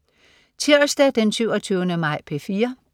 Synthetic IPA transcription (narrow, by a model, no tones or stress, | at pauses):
t͡sʰiɐsd̥æd̥ensyʊɒt͡sʰyːʊnəmɑ̈ɪ̰pʰe̝fiːɐ